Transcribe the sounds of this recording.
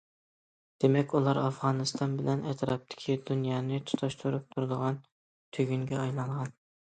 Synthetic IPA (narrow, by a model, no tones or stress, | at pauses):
d̪̥emɛkʲulˠɑɾɑfʁɑːnɨst̪ʰɑnbɪlɛnɛt̪ʰɾɑp̚t̪ʰɪ̥kʲʰid̪unjɑːnɪt̪ʰu̥t̪ʰɑʃt̪ʰuɾup̚t̪ʰuɾd̪əʁɑn | t̪ʰøɡʲyŋɡʲɛɑjlˠɑŋʁɑn